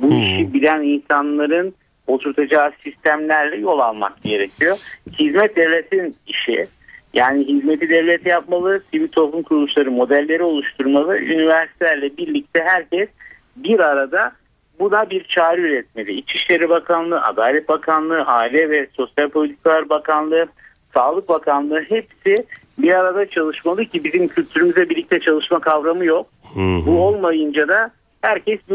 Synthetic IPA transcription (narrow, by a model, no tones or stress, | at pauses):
buiʃibilʲæninsanlˠaɾɯn | ot̪ʰuɾt̪ʰad͡ʒaːsist̪ʰæmlʲæɾlʲɛjo̞lˠalˠma̰kɟe̞ɾe̞cʰijohizmɛt̪̚d̪evlʲet̪ʰiniʃḭ | jaːniɦizme̞t̪ʰid̪ɛvlʲet̪ʰijapmalˠɯsivit̪ʰo̞lumkʰuɾlˠuʃlˠaɾɯmo̞d̪ælʲːe̞ɾio̞lˠuʃt̪ʰuɾmalˠɯʔynivæɾsit̪ʰɛlʲæɾlʲɛbiɾlʲic̚t̪ʰɛɦæɾcɛs | biɾaɾad̪a | bunabiɾt͡ʃʰaːɾiyɾɛt̪̚me̞lʲiit͡ʃʰiʃlʲe̞ɾibakʰanlˠɯːʔa̰d̪aːlʲɛt̪̚bakʰanlˠɯʔaːilʲɛvɛso̞sjalʲpʰo̞lʲit̪ʰi̥kalˠaɾbakʰanlˠɯ | saːlˠɯk̚bakʰanlˠɯɦepsɪ | biɾaɾad̪at͡ʃʰalˠɯʃmalˠɯcʰibizimcʰylʲt̪ʰyɾymyzɛbiɾlːʲic̚t̪ʰɛt͡ʃʰalˠɯʃmakʰavɾamɯjo̞k̚buo̞lˠmajɯnd͡ʒad̪a | hæɾcɛsbi